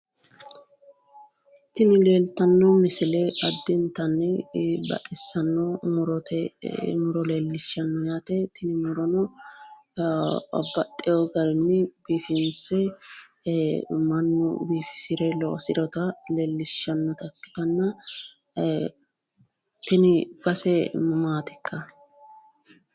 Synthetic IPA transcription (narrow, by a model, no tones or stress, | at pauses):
t̪ɪnɪleːlt̪ɐnːɔmɪsɪlɛɐd̪ːɪnt̪ɐnːɛbɐ̰t̪ʼɪsːɐnːɔmʊɾɔt̪ɛmʊɾɔleːlːɪʃɐnːɔjaːt̪ɛt̪ɪnɪmʊɾɔnɔ | bɐt̪ʼːɪjɔɡɐɾɪnːɛbiːfɪnsɛ | mɐnːʊ̰biːfɪ̥sɪɾɛlɔʔɔsɪɾɔt̪ɐleːlːɪʃːɐnːɔt̪ɐkːɪ̥t̪ɐnːɐ | t̪ɪnɪb̥ɐsɛmʊmaːt̪ɪ̥kːɐ